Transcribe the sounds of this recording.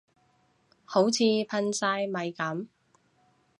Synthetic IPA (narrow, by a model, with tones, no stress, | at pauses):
ho˨˥wt͡sʰiː˨˧pʰɐ˧nsaː˧jmɐ˨jkɐ˨˥m